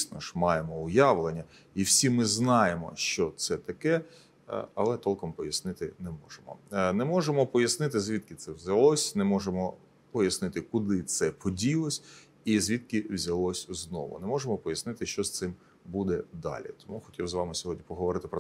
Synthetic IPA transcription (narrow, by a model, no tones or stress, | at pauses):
sʲnɔʃmɑjemɔʊjɑʋlˠenʲːɐ | iwsʲimɪznɑjemɔ̰ʃt͡ʃɔt̪sɛt̪ɐkɛ̰ | ɐlˠɛt̪ɔlˠkɔmpɔjɐsnɪt̪ɪnɛmɔʒemɔ̰nɛmɔʒemɔpɔjɐsnɪt̪ɪzʲʋʲit̪̚kɪt̪sɛwzʲɐlˠɔsʲnɛmɔʒemɔ | pɔjɐsnɪt̪ɪkʊd̪ɪt̪sɛpɔdʲilˠɔsʲ | izʲʋʲid̪̚kɪwzʲɐlˠɔsʲznɔ̰ʋʊ̰nɛmɔʒemɔpɔjɐsnɪt̪ɪʃt͡ʃɔst̪sɪm | bud̪ɛd̪ɑ̰lʲḭt̪ɔmuxɔtʲiwzʋɑmɪsʲɔɦɔdʲnʲipɔɦɔʋɔɾɪt̪ɪpɾɔ